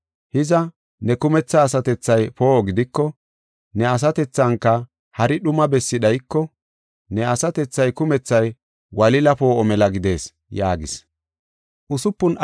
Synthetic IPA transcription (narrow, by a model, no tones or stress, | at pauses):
hɪzɐ | nɛkʊmɛt͡sːɐːsɐt̪ɛt͡sːɐjpo̞ːɡɪd̪ɪkːɔ | nɛɐs̬ɐt̪ɛt͡sːɐŋkːɐ | hɐɾɪɗʊmɐbɛsːɪɗɐjkːɔ | nɛɐsɐt̪ɛt͡sːɐjkʊmɛt͡sːɐj | wɐlɪlɐpo̞ːʔɔmɛlɐɡɪd̪e̞ːs | jaːɡɪs | ʔʊsʊpːʊn